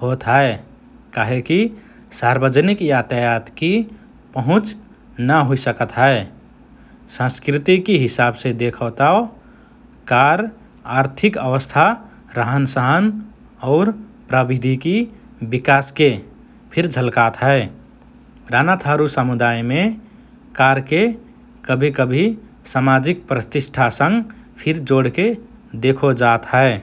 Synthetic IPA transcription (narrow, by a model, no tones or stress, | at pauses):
ɦot̪ɦɛe | kaɦeki | saɾbəd͡ʒənikjat̪əjat̪ki | pəɦʊ̃t͡ʃ | nəɦoisəkət̪ɦɛe | sə̃skɾit̪ikiɦɪsabsed̪ekʰət̪ao | kaɾ | aɾt̪ʰɪkəʋəst̪ʰa | ɾəɦənsəɦən | ɔʊɾpɾabid̪ʱiki | bɪkaːske | pʰɪɾd͡ʒʱəlkat̪ɦɛe | ɾanat̪ʰaɾusəmud̪aːjmẽ | kaːɾke | kəbʱikəbʱi | samad͡ʒik̚pɾət̪ɪʃʈʰasə̃ŋɡ | pʰɪɾd͡ʒoːɽke | d̪ekʰod͡ʒaːt̪ɦɛ